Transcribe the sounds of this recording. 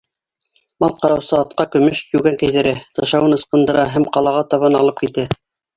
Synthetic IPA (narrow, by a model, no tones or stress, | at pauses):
mɑlˠqɑɾɑwsɤɑt̪̚qɑkɵ̆mɵʃjʉɡæŋkæ̆jðɘ̆ɾæt̪ɑʃɑwɤnɤ̆sqɤ̆nd̪ɤ̆ɾɑɦæmqɑlˠɑʁɑt̪ɑβɑnɑlˠɤp̚kit̪æ